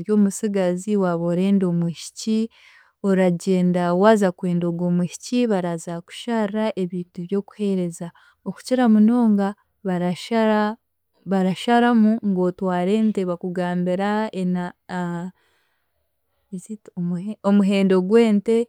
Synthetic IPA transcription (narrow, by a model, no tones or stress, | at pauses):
ɾjoːmusiɡaziwaβoɾe̞ːndo̞muʃi̥ci | o̞ɾaɟe̞ːndawaːzakwe̞ːndo̞ɡwo̞ːmuʃi̥ciβaɾazaku̥ʃaraʔe̞βiːntuβjo̞ːku̥he̞ɾe̞za | oku̥ciɾamuno̞ːŋɡa | βaɾaʃaa | βaɾaʃaɾamuŋɡo̞ːtwaːɾe̞ːnte̞βakuɡaːmbiɾaena | zitomuɦe̞ːndo̞ɡwe̞ːnte̞